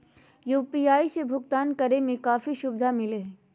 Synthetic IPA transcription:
juːpiːaːisebʱʊɡt̪aːnkɐɾemẽkaːfiʃʊbd̪ʱamɪleɦ

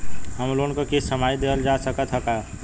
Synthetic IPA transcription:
ɦəmlonkokesəmaːjd̪eəld͡ʒaːsəkət̪ʰɦəka

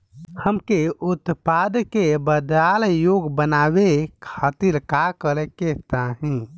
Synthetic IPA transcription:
həmkeʔʊt̪pad̪kebəd̪aljoɡbənaːʋekʰaːt̪ilkakəlɛket̪aɦĩ

